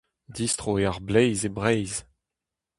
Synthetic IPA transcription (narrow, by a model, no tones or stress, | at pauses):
dist̪ʁoeaʁblɛjzebʁɛjz